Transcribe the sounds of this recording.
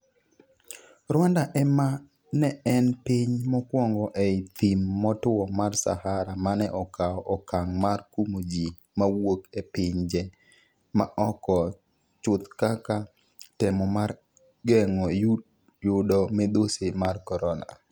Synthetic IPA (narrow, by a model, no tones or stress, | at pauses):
ɾwandaʔɛma | nɛɛnpiɲmɔkwɔŋɡɔʔɛit̪imːɔtʊwɔmarsa̰haɾamanɛʔɔkaɔʔɔkaŋmarkumod͡ʒi | mawokepɪɲd͡ʒɛ | maʔɔkɔ | t͡ʃʊt̪kaka | tɛmɔmar | ɡɛŋɔj | jʊdɔmɛd̪osemarkɔɾɔna̰